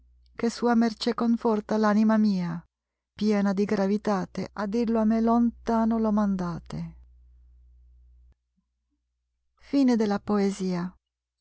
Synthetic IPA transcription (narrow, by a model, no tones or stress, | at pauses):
kesuːamert͡ʃekoɱfɔrt̪alanimamiːa | pjɛːnad̪iɡɾavit̪aːt̪eʔad̪ːirloamːelont̪aːnolɔmand̪aːt̪e | fiːned̪elapoeziːa